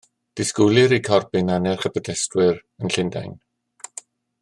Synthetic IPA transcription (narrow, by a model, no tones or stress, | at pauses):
d̥ɪskʊlˠɨɾikʰɔrbɪnanɛrχəbədɛstwɪrənɬɪnda̰jn